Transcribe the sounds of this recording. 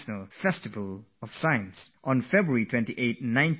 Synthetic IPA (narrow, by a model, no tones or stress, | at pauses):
ʃnəlfɛstɪvəlɔv̥saɪə̃nsʔɔ̃nfɛbɹəɹitʰwɛ̃ntiʔet̚nãɪ̃n